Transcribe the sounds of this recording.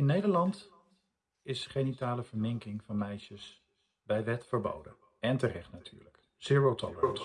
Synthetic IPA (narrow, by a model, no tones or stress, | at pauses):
ɪnːejdəɹlɑnt | ɪsχenitaːləv̥əɹmɪŋkɪŋvɑnmɛjʃəs | bɛjʋɛtfəɹbo̰wdə̰n | ɛntərɛχtnatʰy̰ːɹlək | sɪɹəlˠtʰɔlət